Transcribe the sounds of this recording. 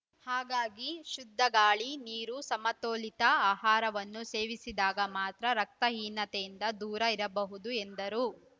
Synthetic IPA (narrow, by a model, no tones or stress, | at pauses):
haːɡaːɡiʃud̪ʱːɐɡaːɭiniːɾusɐmɐt̪oːlit̪ɐaːɦaːɾɐʋɐnːuse̞ːʋisid̪aːɡɐmaːt̪ɾɐɾɐk̚t̪ɐɦiːnːɐt̪ejind̪ɐd̪uːɾɐiɾɐbɐɦud̪uend̪ɐɾu